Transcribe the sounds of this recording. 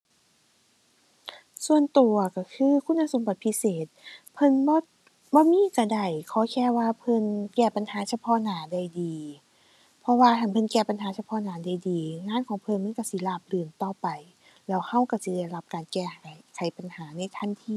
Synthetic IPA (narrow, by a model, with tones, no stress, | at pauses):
su˨˩ənt̪u˨˩ɐka˧˩kʰɯː˧˥˨kʰu˧˥˨nːa˧˥˨so˨˦mba˧t̪̚pʰi˧˥seː˨˩t̪̚pʰɤ˧˥˨nbɔː˧ | bɔː˧˦˨miː˧˥˨ka˧˩da˧˩jkʰɔː˧˦kʰɛː˧˥˨waː˧˩pʰɤ˧˥˨nkɛː˧˩pa˨nhaː˨˦sa˧pʰɔː˧˥naː˨˦da˧˩jdiː˨˩ | pʰɔ˧waː˧˩t̪ʰa˧˩npʰɤ˧˥˨nkɛː˧˩pa˨nɦaː˨˦sa˧pʰɔː˧˥˨naː˨˦da˧˩jdiː˨ŋaː˧˥˨nkʰɔː˨˦ŋpʰɤ˧˥˨nma˧˥˨ka˧˩si˧˦laː˧˩p̚lɯː˨˩nt̪ɔː˧˩pa˨˩j | lɛː˧˩wha˧˩˨wka˧˩si˧˦da˧˩˨jla˧p̚kaː˨nkɛː˧˩˨kʰa˨˦jpa˨nhaː˨˦na˧˥˨jt̪ʰa˧˥˨nt̪ʰiː˧˨